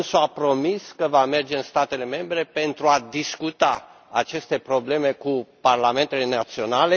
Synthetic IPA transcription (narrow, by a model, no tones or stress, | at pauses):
soapɾo̞miskəvame̞rd͡ʒe̞ɨnst̪at̪e̞le̞me̞mbɾe̞pe̞nt̪ɾuad̪iskut̪a | at͡ʃe̞st̪e̞pɾo̞ble̞me̞kuparlame̞nt̪ele̞nat̪sio̞nale